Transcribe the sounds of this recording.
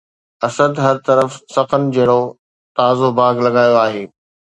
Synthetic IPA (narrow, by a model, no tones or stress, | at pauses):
ɐsəd̪ɦɐɾt̪ɐɾəfsɐqənɪd͡ʑeːɽo | t̪aːzobaːɡlɐɡaːjoaːɦeː